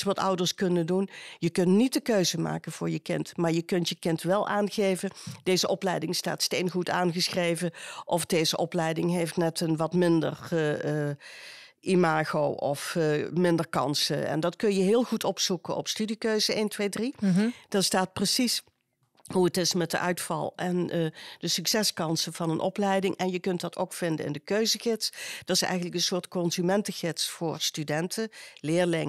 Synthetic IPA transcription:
sʋɑtʌ̰wdəɹskɵnəndunjəkɵntnit̚dəkøɥzəma̰ːkənv̥ʊːɹjəkɪntmaːɹjəkɵntjəkɪntʋɛlˠʔaːnɣejvəd̥ejzəʔɔplɛjdɪŋsta̰ːtstejnɣutaːnɣəsxrejvəʔɔfdejzəʔɔplɛjdɪŋɦejftnɛtənʋɑtmɪndə̰r | ʔimaːɣowʔɔ̰fmɪndərkɑ̰nsə̰ɛ̰ndɑtkɵnjəɦɪːlˠxutʰɔpsukənɔ̰pstydikøɥzəeːntʋejdrid̥ɑstaːt̚prəsis | ɦuətɪsmɛt̚dəʔœɥtfɑ̰lˠʔɛnd̥əsyksɛskɑnsəv̥ɑnənʔɔ̰plɛjdɪŋɛnjəkɵnt̚dɑtʰo̰wkfɪndə̰nɪ̰ndəkøɥzəɣɪtsd̥ɑtɪ̥sɛ̰jɣənləkɡdənsʊːɹtkɔnzymɛntəɣɪtsfʊːɹstydɛntʰəlɪːɹlɪŋ

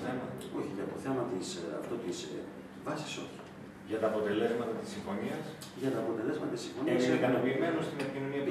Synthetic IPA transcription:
θemɐo̞çiʝɐt̪o̞θe̞mɐt̪isɐ̰ft̪o̞t̪is | vɐsi̥so̞̰çi̥ | ʝɐt̪ɐːpo̞t̪e̞le̞zmɐt̪ɐt̪i̥siɱfo̞niɐs | ʝɐt̪ɐːpo̞t̪e̞le̞zmɐt̪ɐt̪isĩɱfo̞nieɐksikɐnopiːme̞nost̪inepicino̞niɐp

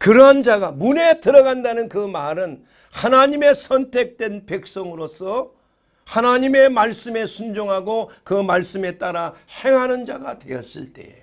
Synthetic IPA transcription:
kɯɾʌɦand͡ʑaɡamune̞tɯɾʌɡandanɯnkɯmaɾɯn | hanaɲime̞sʰʌntʰe̞k̚t͈we̞npe̞k̚s͈ʌŋɯɾosʰʌ | hanaɲime̞maɭs͈ɯme̞sʰund͡ʑoŋɦaɡokɯmaɭs͈ɯme̞t͈aɾahe̞ŋɦanɯnd͡ʑaɡa̰dwe̞̰jʌ̰s͈ɯ̰ɭt͈e̞̰

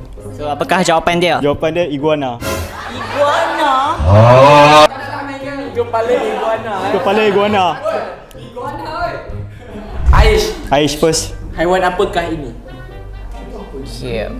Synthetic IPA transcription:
soapəkahd͡ʒawapandiəd͡ʒawapandiəiɡuana | iɡuana | aat̪upaləiɡuanat̪upaləiɡuana | aiʃaiʃpəshajwanapəkahinĩ | kʰḛ

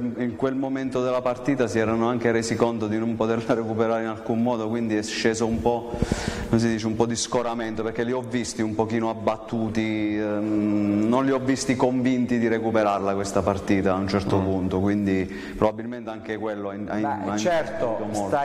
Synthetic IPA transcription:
iŋkwelmoment̪od̪elːapart̪iːt̪asiɛːɾanoaŋk̟eɾeːzikont̪od̪inompot̪erlaɾekupeɾaːɾeinalkummɔːd̪okwind̪iɛʃːeːzoumpɔnoms̬id̪iːt͡ʃeumpɔd̪iskoɾament̪operkːeliɔvːist̪iumpokiːnoabːat̪ːuːt̪i | nonliɔvːist̪ikoɱvint̪id̪iɾekupeɾarlakwest̪apart̪iːt̪aːunt͡ʃɛrt̪opunt̪okwind̪i | pɾobabːilment̪eaŋk̟ekwelːoaaat͡ʃɛt̪oomoa

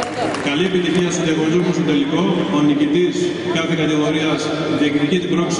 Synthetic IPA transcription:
kɐlie̞pit̪içiɐst̪oðɐɣoɾzomost̪ot̪eliko̞onicit̪is | kɐθekɐt̪iɣo̞ɾiɐs | ðieknit̪icit̪ibɾoks

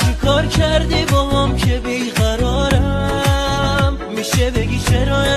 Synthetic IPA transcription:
t͡ʃʰekʰɔːɾkʰæɾd̪ibɔmɔmkʰebiɣæɾɔɾa | mːiʃebeɡit͡ʃʰeɾɔj

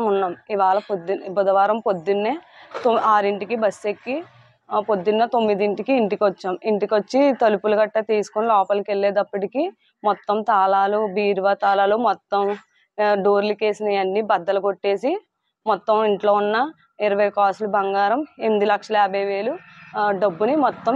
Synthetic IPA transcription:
munːaːmiʋaːɭɐpod̪pɔd̪ɐʋaːɾɐmpod̪ːunːet̪oaːɾiɳʈikibɐsːekːi | pod̪ːunːɐt̪o̞mːid̪iɳʈikiːɳʈikiʋot͡ʃːaːmiɳʈikʋot͡ʃːit̪ɐlupulɐɡɐʈːɐt̪iːsu̥konilɔːpɐlɐkelːɛːd̪ɐpːɐʈiki | mɔt̪ːɐmt̪aːlaːlubiːɾʋaːt̪aːlaːlumɔt̪ːɐm | ɖoːɾlike̞ːsinɐjɐnːibɐd̪ːɐlɐɡo̞ʈːe̞ːsi | mɔt̪ːɐmiɳʈlo̞ːunːɐ | iɾɐʋɐjkaːslubɐŋɡaːɾɐmend̪ilɐkʂɐlɐɛːbɐjʋe̞ːluɖɐbːunimɔt̪ːɐm

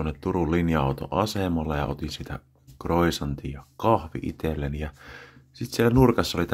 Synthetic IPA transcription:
onːet̪t̪urulinjɑɑ̰ˑut̪o̰ʔɑsemɑlːɑjɑ̰ʔo̰t̪insit̪æ̰ | kroisɑnt̪iːjjɑkɑhʋḭʔḭt̪elːænijɑsit̪sielnurkɑsːɑolit̪

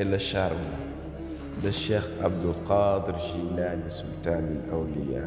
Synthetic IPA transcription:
əlaʃɑɾˤma | læʃːexʔa̰bd̪əlqɑd̪əɾʒilænisʊlt̪anilʔawlə̰ja̰

